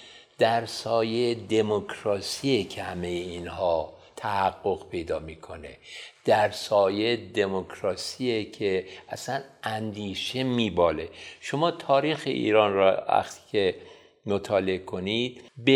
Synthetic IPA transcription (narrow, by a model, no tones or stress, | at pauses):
d̪̥æɾsɒːjed̪e̞mokʰɾɒːsiecʰehæmejeiːnhɒː | t̪ʰæhæɡːo̞ɣ̥pʰe̞jd̪ɒːmiːkʰo̞ne̞̰d̪̥æɾsɒːjed̪emokʰɾɒːsiecʰeʔæsænænd̪iːʃe̞miːbɒːle̞ʃo̞mɒːt̪ʰɒːɾiːxḛʔḭːɾɒːnɾɒʋæ̰xt̪ʰi̥cʰe | mot̪ʰɒːle̞ekʰo̞nid̪̥̚be